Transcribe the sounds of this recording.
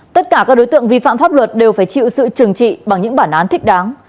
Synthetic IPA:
t̪ə˦˥t̚kaː˧˩kaː˦˥k̚ɗo˨˦jt̪ɨ̰˧˨əŋvḭ˧˨fa̰ː˧˨mfaː˦˥p̚lwə˨˩t̚ɗe˨˩wfaː˧˩jt͡ɕḭ˧˨wsɨ̰˧˨t͡ɕɨ˨˩əŋt͡ɕḭ˧˨ɓa˨˩ŋɲɨ̰˧˥ŋɓaː˧˩nʔaː˨˦nt̪ʰï˦˥k̟̚ɗaː˨˦ŋ

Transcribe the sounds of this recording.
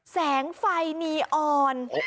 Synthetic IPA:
sɛː˩˦ŋfa˧jniː˧ʔɔː˧n

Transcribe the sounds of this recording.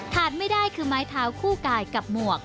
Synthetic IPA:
t̪ʰaː˨˩t̪̚ma˥˩jdaː˥˩jkʰɯː˧maː˦˥jt̪ʰaː˦˥wkʰuː˥˩kaː˧jka˨˩p̚mu˨˩ək̚

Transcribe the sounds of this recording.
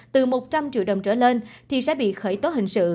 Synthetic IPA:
t̪ɨ˨˩mo˨˩t̚t͡ɕa˧mt͡ɕḭ˧˨wɗə˨˩wŋ͡mt͡ɕəː˧˩le˧nt̪ʰi˨˩sɛ̰˧˥ɓḭ˧˨xəː˧˩jt̪o˨˦ɦï˨˩ŋ̟sɨ̰˧˨

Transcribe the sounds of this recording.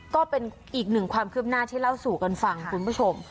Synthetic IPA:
kɔː˥˩pe˧n | ʔiː˨˩k̚nɯ˨˩ŋkʰwaː˧mkʰɯ˥˩əp̚naː˥˩t̪ʰiː˥˩la˥˩wsuː˨˩ka˧nfa˧ŋkʰu˧npʰu˥˩t͡ɕʰo˧m

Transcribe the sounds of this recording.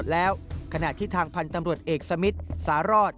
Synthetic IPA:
t̪̚lɛː˦˥wkʰa˧na˨˩t̪ʰiː˥˩t̪ʰaː˧ŋpʰa˧nt̪a˧mɾu˨˩ət̪̚ʔeː˨˩k̚sa˧mi˦˥t̪̚saː˩˦ɾɔː˥˩t̪̚

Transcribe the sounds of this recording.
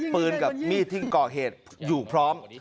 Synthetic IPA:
pɯː˧nka˨˩p̚miː˥˩t̪ʰi˥˩ŋkɔː˨˩ɦeː˨˩t̪̚juː˨˩pʰɾɔː˦˥m

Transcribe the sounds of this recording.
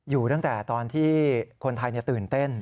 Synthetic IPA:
juː˨˩t̪a˥˩ŋt̪ɛː˨˩t̪ɔː˧nt̪ʰiː˥˩kʰo˧nt̪ʰa˧jni˥˩t̪ɯː˨˩nt̪e˥˩n

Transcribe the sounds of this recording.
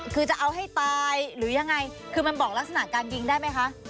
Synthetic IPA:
kʰɯː˧t͡ɕa˨˩ʔa˧wɦa˥˩jt̪aː˧jɾɯː˩˦ja˧ŋːa˧j | kʰɯː˧ma˧nbɔː˨˩k̚la˦˥k̚sa˧na˨˩kaː˧nki˧ŋdaː˥˩jma˦˥jkʰa˦˥ʔ

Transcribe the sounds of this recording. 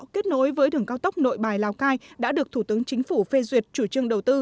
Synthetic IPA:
ke˦˥t̚no̰˨˦jvəː˨˦jɗɨ˨˩əŋkaː˧wt̪ə˦˥wk͡p̚no̰˧˨jɓaː˨˩jlaː˨˩wkaː˧jɗa̰ː˧˥ɗɨ˨˩ək̚t̪ʰu˧˩t̪ɨ˨˦əŋt͡ɕï˨˦ŋ̟fu˧˩fe˧zwi˨˩ət̚t͡ɕu˧˩t͡ɕɨ˧əŋɗə˨˩wt̪ɨ˧

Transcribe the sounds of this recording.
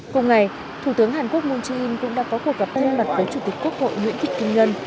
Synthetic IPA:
kʊ˧wŋ͡mŋa˨˩j | t̪ʰu˧˩t̪ɨ˨˦əŋɦaː˨˩nku˦˥ək̚mu˧nt͡ɕi˧nkʊ̰˧˥ŋ͡mɗa̰ː˧˥ŋkɔ˨˦ku˧˩ək̚ɣə˨˩p̚t̪ʰə˧nlwa˨˩t̚vəː˨˦jt͡ɕu˧˩t̪i˨˩k̟ku˦˥ək̚ho̰˧˨jŋwḭ˧˥ənt̪ʰï˨˩k̟̚kï˧ŋ̟ɲə˧n

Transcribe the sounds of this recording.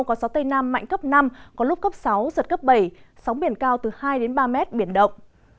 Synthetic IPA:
kɔ˨˦sa˨˦wt̪ə˧jna˧mːa̰˧˨jŋ̟kə˦˥p̚na˧mkɔ˨˦lʊ˦˥p̚kə˦˥p̚sa˨˦wzə˨˩t̚kə˦˥p̚ɓə˧˩jsa˨˦wŋ͡mɓi˧˩ənkaː˧wt̪ɨ˨˩haː˧jɗe˨˦nɓaː˧mɛ˦˥t̚ɓi˧˩ənɗə̰˧˨wŋ͡m

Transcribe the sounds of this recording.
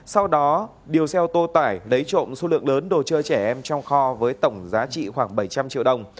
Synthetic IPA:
sa˧wɗɔ˨˦ | ɗi˨˩əwsɛ˧wt̪o˧t̪aː˧˩jlə˨˦jt͡ɕo̰˧˨nso˧˦lɨ̰˧˨əŋləː˨˦nɗo˨˩t͡ɕəː˧t͡ɕɛ˧˩ʔɛ˧mt͡ɕɔ˧wŋ͡mxɔ˧vəː˨˦jt̪ə˧˩wŋ͡mzaː˨˦t͡ɕḭ˧˨xwaː˧˩ŋɓə˧˩jt͡ɕa˧mt͡ɕḭ˧˨əwɗə˧˩wŋ͡m

